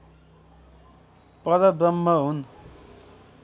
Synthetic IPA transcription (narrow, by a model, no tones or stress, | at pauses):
pʌɾʌbɾʌmːʌɦun